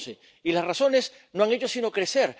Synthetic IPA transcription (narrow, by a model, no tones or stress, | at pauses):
se | ilasraso̞ne̞s | no̞aŋe̞t͡ʃo̞sino̞kɾe̞seɾ